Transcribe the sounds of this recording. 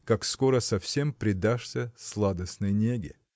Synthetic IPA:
kakskoɾəsɐfsʲe̞mpɾʲɪd̪aʂsʲəslˠad̪əsnɨjnʲeɡʲɪ̰

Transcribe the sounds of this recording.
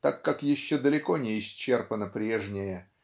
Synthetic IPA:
t̪akːakjɪɕːod̪əlʲɪko̞nʲɪɪsʲt͡ɕːe̞rpənəpɾʲe̞ʐnʲɪjə

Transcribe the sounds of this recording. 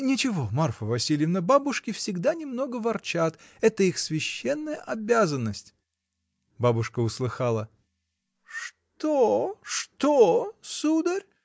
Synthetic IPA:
nʲɪt͡ɕɪvo̞marfəvɐsʲilʲɪjəvnəbabʊʂkʲɪfsʲɪɡd̪anʲɪmno̞ɡəvɐrt͡ɕat̪ɛt̪əixsvʲɪɕːenːəjəʔɐbʲazənːəsʲtʲ | babʊʂkəʊslˠɨxalˠə | ʂ | t̪oʂt̪osud̪əɾʲ

